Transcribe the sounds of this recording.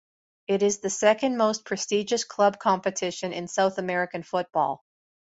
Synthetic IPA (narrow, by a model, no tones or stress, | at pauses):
ɪɾɪzðɨsɛkɨ̃nmoʊspʰɹ̥ɨstid͡ʒɨskʰl̥ʌb̚kʰɑ̃mpɨtʰɪʃɨ̃nɨ̃nsaʊθəmɛɹɨkɨ̃nfʊt̚b̥ɔ̰lˠ